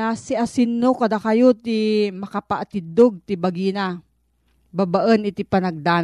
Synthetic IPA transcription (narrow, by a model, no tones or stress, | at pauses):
asiasɪnːokad̪akajot̪imɐkapaʔat̪id̪oɡ̚t̪ibaɡina | babaʔənɪt̪ipanɐɡ̚d̪an